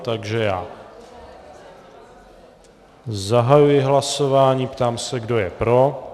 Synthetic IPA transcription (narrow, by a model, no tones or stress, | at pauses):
t̪aɡʒɛjaː | zaɦajujɪɦlaso̞vaːɲiːpt̪aːmsɛɡdo̞jɛpɾo̞